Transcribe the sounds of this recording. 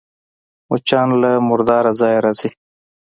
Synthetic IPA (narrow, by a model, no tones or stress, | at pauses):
ʊt͡ʃaːnlamʊɾd̪ɑːɾazɑːjɾazi